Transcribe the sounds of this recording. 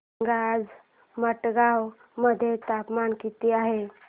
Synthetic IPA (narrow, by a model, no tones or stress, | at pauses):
ɡad͡z | məʈɡaw | məd̪ʱːjet̪apmankit̪iaɦe